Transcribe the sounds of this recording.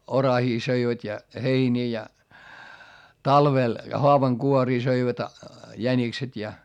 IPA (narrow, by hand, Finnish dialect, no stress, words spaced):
orɑhiː søiʋætʲ jɑ heiniː jɑ tɑlʋel hoɑʋɑŋkuoriː søiʋæt jænikset jɑ